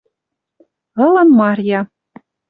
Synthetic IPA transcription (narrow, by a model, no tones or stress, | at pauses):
ɤ̆lɤ̆nmɑrʲjɑ